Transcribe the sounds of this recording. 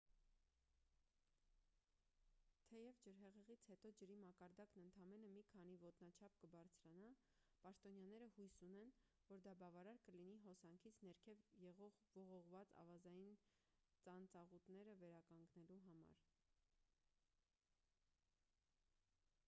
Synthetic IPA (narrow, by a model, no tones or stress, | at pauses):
t̪ʰɛjɛvd͡ʒəɾɦɛʁɛʁit͡sʰhɛt̪ɔd͡ʒəɾimɑkɑɾd̪ɑknənt̪ʰɑmɛnəmikʰɑn̪ivɔt̪nɑt͡ʃʰɑp̚kəbɑɾt͡sʰɾɑnɑ | pɑʃt̪ɔnjɑnɛɾəhujsunɛn | vɔɾd̪ɑbɑvɑɾɑɾkəliniɦɔsɑŋkʰit͡sʰnɛɾkʰɛvjɛʁɔʁvɔʁɔʁvɑt͡sɑ̰vɑzɑjin | t͡sɑnt͡sɑʁut̪nɛɾəvɛɾɑkɑŋɡnɛluɦɑmɑ̰ɾ